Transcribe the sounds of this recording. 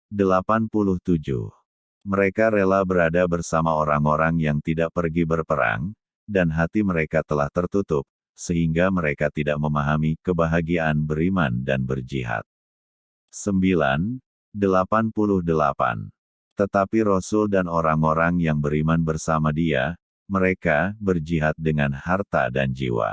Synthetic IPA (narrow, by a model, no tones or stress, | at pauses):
dəlapanpulʊht̪ud͡ʒṵh | məɾekaɾelabəɾadabərsamaoɾaŋoɾaŋjaŋt̪idaʔ̚pərɡibərpəɾa̰ŋ | danɦat̪iməɾekat̪əlaht̪ərt̪ut̪ʊp̚ | səɦiŋɡaməɾekat̪idaʔ̚məmaɦamikəbaɦaɡiaːnbəɾimandanbərd͡ʒiɦa̰t̪̚ | səmbila̰n | dəlapanpulʊhdəlapa̰n | t̪ət̪apiɾosʊldanoɾaŋoɾaŋjaŋbəɾimanbərsamadia | məɾekabərd͡ʒiɦat̪̚dəŋanhart̪a̰dand͡ʒḭwa̰